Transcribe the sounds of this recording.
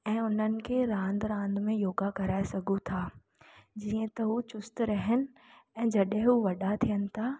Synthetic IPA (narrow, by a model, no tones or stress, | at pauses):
ɛ̃ːʊn̤ənɪ̆kʰeːɾãːnd̪ɾãːnd̪mẽjoːɡakɐɾaːesɐɡʱut̪ʰaː | d͡ʑiːə̃t̪ɐɦut͡ɕʊst̪ɾɐɦɪnɪ̆ | ɛ̃ːd͡ʑɐɗɦɪ̃ɦuʋɐɗat̪ʰijənɪ̆t̪ʰaː